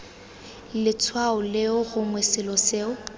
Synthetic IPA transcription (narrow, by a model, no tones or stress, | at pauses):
lɪt͡sʰwaʊlɪʊɣʊŋwɛsɪlɔseːʊ